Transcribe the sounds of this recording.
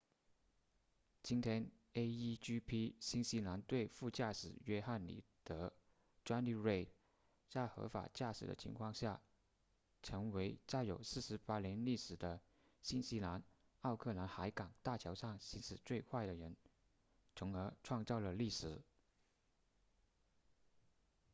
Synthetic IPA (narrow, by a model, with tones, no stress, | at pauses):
t͡ɕi˥nt̪ʰjɛ˥n | e˥ɪi˥t͡ɕy˥pʰi˥ɕi˥nɕi˥la˧˥nt̪we˥˧ɪfu˥˧t͡ɕja˥˩ʂɻ̩˨˩ɥɛ˥xa˥˩nlḭ˨˩t̪ɤ˧˥ | ʈ͡ʂwa˥nli˥˧ɹe˥˩ɪ | t͡sa˥˩ɪxɤ̰˧˥fa̰˨˩t͡ɕja˥˩ʂɻ̩˨˩d̪ə̰˦t͡ɕʰḭ˧˥ŋkʰwɑ˥˧ŋɕja˥˩ | ʈ͡ʂʰɤ˧˥ŋwe˧˥ɪt͡sa˥˩ɪjo˨˩ʊsɹ̩˥˩ʂɻ̩˧˥pa˥ljɛ˧˥nli˥˩ʂɻ̩˨˩d̪ə˦ | ɕi˥nɕi˥la˧˥n | ɑ˥˧ʊkʰɤ˥˩la˧˥nxa˧˥ɪkɑ˨˩ŋt̪a˥˩t͡ɕʰjɑ˧˥ʊʂɑ˥˩ŋɕi˧˥nʂɻ̩˨˩t͡swe˥˧ɪkʰwa˥˩ɪd̪ə˩ɻə˧˥n | t͡sʰʊ˧˥ŋə˞˧˥ʈ͡ʂʰwɑ˥˧ŋt͡sɑ˥˩ʊlə˩li˥˩ʂɻ̩˨˩˦